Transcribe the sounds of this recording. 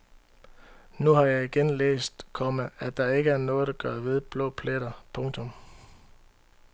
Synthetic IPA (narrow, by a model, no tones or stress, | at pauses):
nuɦɑ̈jɑ̈ɪiɡ̥enlḛːsd̥kʰɒ̽mææd̥ɑ̈e̝ɡ̥əæɐnɔ̽ːð̞̩ˠd̥ɑ̈ɡ̥ɶɐʋe̝ð̞ˠb̥lɔ̰̽ːpʰleɾ̥ɐpʰɔ̽ŋt͡sʰɔ̽m